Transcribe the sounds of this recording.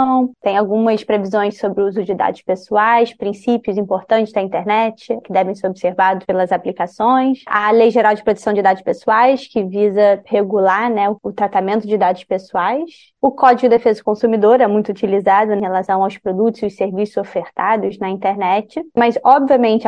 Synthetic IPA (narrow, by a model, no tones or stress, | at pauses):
w̃t̪ẽj̃awɡũmɐspɾevizõj̃ssobɾɪuzʊd͡ʒɪd̪a̰d̪ʊspesuajspɾĩsipjʊzĩmpoɾt̪ɐ̃nt͡ʃɪ̥zɐĩnt̪eɾnɛt͡ʃɪkɪd̪ɛvẽj̃seɾobi̥seɾvad̪ʊʃpelɐzaplikasõj̃sɐlejʒeɾawd͡ʒɪpɾot̪e̥sɐ̃w̃d͡ʒɪd̪ad̪ʊʃpesuajskɪvizɐheɡulaɾnɛʊʊt̪ɾat̪amẽnt̪ʊd͡ʒɪd̪ad̪ʊspesuajs | ʊkɔd͡ʒiɡʊd̪ɐefezɐʊkõsumid̪oɾɛmũj̃t̪ʊut͡ʃilizad̪ʊẽhelasɐ̃w̃awspɾod̪ut̪ʊziʊseɾvisʊzofeɾt̪ad̪ʊznɐĩnt̪eɾnɛt͡ʃɪmɐzɔbviɐmẽnt͡ʃɪ